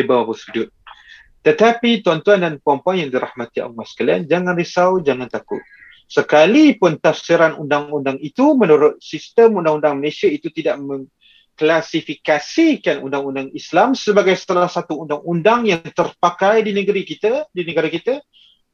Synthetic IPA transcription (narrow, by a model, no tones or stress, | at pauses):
ebawabəsudʊt̪̚ | t̪ət̪apit̪uant̪uandanpɔmpajaŋdiɾahmat̪ia̰masə̥kalia̰nd͡ʒaŋãnrisawd͡ʒaŋant̪akʊ̰t̪̚ | səkalipʊnt̪afsiɾanṵndaŋundaŋit̪umənuɾʊt̪̚sist̪əmundaŋundaŋməlesiait̪ut̪idaʔmə̃ŋ | klasifikasikanṵndaŋundaŋislamsəbaɡajsə̥t̪əlahsat̪uːndaŋundaŋjaŋt̪ərpakajdinəɡɾikit̪adinəɡaɾakit̪a